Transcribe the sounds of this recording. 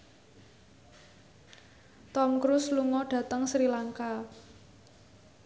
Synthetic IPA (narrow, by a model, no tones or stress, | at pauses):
t̪ɔmkɾʊsluŋɔɖ̥ä̤t̪əŋsɾilaŋka